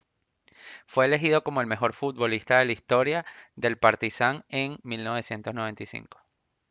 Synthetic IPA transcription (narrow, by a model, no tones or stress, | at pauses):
fwe̞eːle̞xiðo̞ko̞mo̞e̞lme̞xo̞ɾfut̪̚βo̞list̪aðe̞laist̪o̞ɾjaðe̞lpaɾt̪isaŋe̞ŋmilno̞β̞e̞sje̞nt̪o̞znoe̞nt̪ajsḭŋko̥